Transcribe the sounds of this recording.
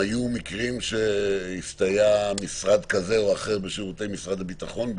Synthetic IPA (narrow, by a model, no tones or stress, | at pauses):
ajumikʁimʃe̞ift̪ajamisʁad̪kaze̞oaχe̞ʁbeʃiʁut̪e̞jmisʁad̪habit̪aχo̞nb